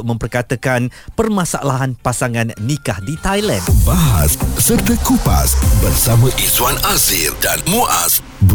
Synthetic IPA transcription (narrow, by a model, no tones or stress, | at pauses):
mə̃mpərkat̪əkanpərmãsaʔalaɦanpasaŋãnːikahdit̪ajlanbaɦassərt̪əkupa̰sbərsamãʔiswanazildanmuʔa̰s | b